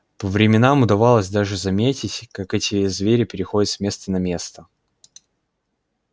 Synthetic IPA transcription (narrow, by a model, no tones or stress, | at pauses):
pəvɾʲɪmʲɪnamʊd̪ɐvalˠəsʲd̪aʐɨzɐmʲetʲɪtʲkakɛtʲɪzvʲeɾʲɪpʲɪɾʲɪxo̞dʲɪt̪sʲmʲe̞st̪ənɐmʲe̞st̪ə